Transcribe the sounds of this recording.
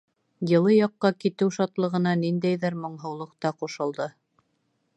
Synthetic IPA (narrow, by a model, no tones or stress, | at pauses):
jɤ̆lˠɤjɑqːɑkit̪ɘwʃɑt̪lˠɤ̆ʁɤ̆nɑnind̪æjðɘɾmŏɴɦɤ̆wlˠɤ̆q̚t̪ɑquʃɤ̆lˠd̪ɤ